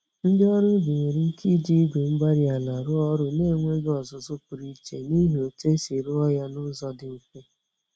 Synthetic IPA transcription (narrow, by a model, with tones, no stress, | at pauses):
n̩˦dɪ˦ɔ˦ɾʊ˦bi˨ɲe˨ɾi˦ŋ̩˦ki˦d͡ʒi˦ɡʷe˨m̩˦ɡ͡ba˦ɾi˦a˨la˨ɾʊ˦ɔ˦ɾʊ˦ne˦˨ŋʷe˦ɡɔ˨zʊ˨zʊ˦pʊ˨ɾi˦t͡ʃe˦ni˦ɦo˨te˦si˨ɾʊ˦ɔ˦ja˦nʊ˦zɔ˦dɪ˨ke˦